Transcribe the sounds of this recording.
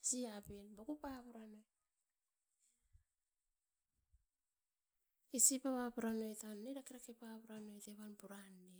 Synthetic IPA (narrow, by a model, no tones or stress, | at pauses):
siabenbakupaβuɾano̞j | isipaβapuɾano̞jtanːeɾakeɾakepaβuɾano̞jteβanpuɾanːe